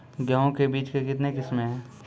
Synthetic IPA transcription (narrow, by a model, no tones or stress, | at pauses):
ɡjaːõkebiːt͡ʃkekɪt̪nekɪsmɦɛ̃ː